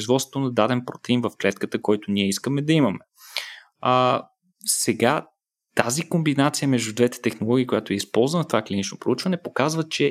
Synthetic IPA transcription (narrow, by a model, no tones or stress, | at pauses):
zvɔt̪sot̪onɐd̪ad̪ɛnpɾot̪ɛinvɐfklɛt̪kət̪əkɔjt̪ʊnʲiɛiskəmɛd̪ɐimɐmɛ | sɛɡa | t̪azikombinat̪sijəmɛʒd̪ud̪vɛt̪ɛ̥t̪ɛxnolˠɔɡʲiːkojat̪oɛispɔlˠzvənət̪ovaklʲinit͡ʃnopɾout͡ʃvɐnɛpokazvət͡ʃɛ